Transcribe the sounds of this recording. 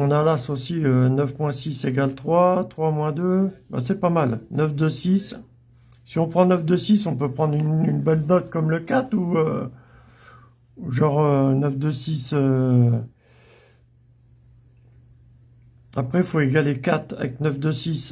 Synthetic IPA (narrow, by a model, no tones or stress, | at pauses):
ɔ̃nalasosiønœfmwɛ̃siseɡalt̪χwat̪χwamwɛ̃d̪øba̰sɛpamalnœfd̪øsisː | iɔ̃pχɑ̃nœfd̪əsisɔ̃pøpχɑ̃d̪ʁynynbɛlnɔt̪̚kɔmləkat̪uø̰ | uʒɑ̃ʁønəfd̪øsisø | apχɛfoeɡalekat̪a̰vɛ̰knœfd̪əsis